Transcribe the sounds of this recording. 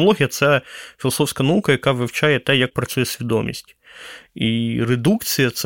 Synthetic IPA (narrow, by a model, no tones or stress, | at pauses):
ɐlˠɔɦʲijɐt̪sɛfʲilˠɐsɔwsʲkɐnɐukɐjɐkɑʋɪwt͡ʃɑjɛt̪ɛjɐk̚pɾɐt͡sʲujɛsʲʋʲid̪ɔmʲḭsʲtʲ | ired̪ukt͡sʲijɐt̪s